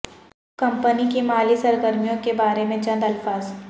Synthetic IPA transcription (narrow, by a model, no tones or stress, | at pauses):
kɐ̃mpənikimaːlisɐɾɡəɾmijõkebaːɾemẽt͡ʃɐ̃nd̪ɐlfaːz